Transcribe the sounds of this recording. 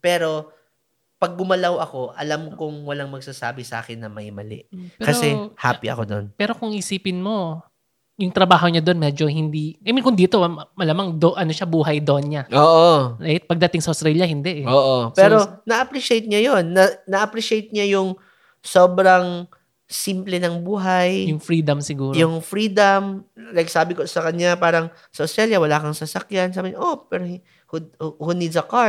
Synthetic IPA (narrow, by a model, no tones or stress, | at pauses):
pɛːɾo̞ | pɐɡ̚ːʊmɐlɐwʔɐko̞ʔɐlamkʊŋwɐlaŋmɐɡ̚saːsa̰ːbɪsʔa̰ːkɪnːɐmɐjmɐ̰lɪ̰pɛkɐɾsoɛha̰ːpiʔɐ̰kod̪o̞̰npɛːɾo̞kʊŋʔʔɪsiːpɪnmo̞ | jʊŋt̪ɾɐbaːɦo̞ɲad̪o̞nmɛd͡ʒo̞hɪnd̪iːkɐmɪnkʊnd̪iːt̪omɐlamɐŋd̪oʔɐno̞ʃabuːɦɐjd̪onɲaoːʔoat̪̚pɐɡ̚d̪ɐt̪ɪŋsɐʔost̪ɾɛːljɐhɪnd̪ɛʔɛoʔopɛːɾonɐʔɐpɾiʃejt̪̚ɲajonːɐnɐʔɐpɾiʃejt̪̚ɲajʊŋ | soːbɾɐŋ | simplɛnɐŋbuːɦajjʊŋfɾiːd̪ɐmsɪɡuːɾjʊŋfɾiːd̪ɐmlajk̚saːbɪkosɐkɐɲapaːɾɐŋ | sɐʔʊst̪ɾɛljɐwɐlaːkɐŋsɐsɐkjansaːbɪɲʔopɛɾo | hhʊnid̪sɐka